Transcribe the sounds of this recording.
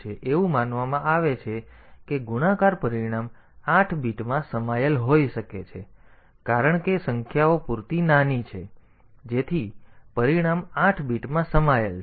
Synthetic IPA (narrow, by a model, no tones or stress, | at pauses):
eʔeʋũmanʋamãʔaʋet͡ʃʰekeɡuñãkaɾpəɾiɽ̃am | aʈʰbiʈmãsəmajəlɦojʃəket͡ʃʰe | kaɾəɳkesəŋkʰjaopuɾt̪inanit͡ʃʰe | d͡ʒet̪ʰipəɾiɽ̃amãʈʰbiʈmãsəmajəl